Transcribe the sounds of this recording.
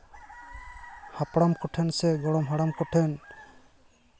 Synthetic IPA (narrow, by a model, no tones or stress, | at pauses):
hapɽamkɔʈʰɛnsɛɡɔɽɔmɦaɽamkɔʈʰɛn